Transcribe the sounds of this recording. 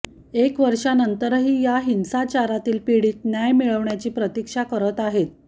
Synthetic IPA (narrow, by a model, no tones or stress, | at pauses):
ekʋəɾʂanənt̪əɾɦiːjaɦinsat͡ɕaɾat̪iːlpiɽiːt̪njajmiɭəʋɳjat͡ɕiːpɾət̪ikʂakəɾət̪aɦet̪̚